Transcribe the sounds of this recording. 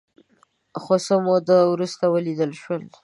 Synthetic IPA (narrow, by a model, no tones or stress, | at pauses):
xosəmod̪əwɾust̪awəlid̪əlʃwəl